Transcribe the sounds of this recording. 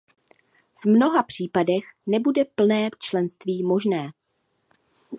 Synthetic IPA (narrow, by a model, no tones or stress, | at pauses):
vmno̞ɦapr̝̥iːpadɛxnɛbudɛpl̩nɛːt͡ʃlɛnst̪viːmo̞ʒnɛː